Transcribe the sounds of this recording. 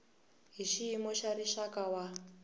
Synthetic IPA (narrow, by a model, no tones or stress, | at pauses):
ɦiʃiːmɔʃaɾiʃakawa